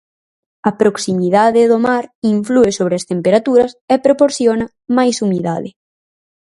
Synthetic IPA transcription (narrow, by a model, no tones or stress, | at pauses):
ɐpɾoksimiðaðɪðʊmaɾiɱfluɪsoβ̞ɾɪɐst̪empeɾat̪uɾɐsɛpɾopoɾθjonɐ | majsumiðaðɪ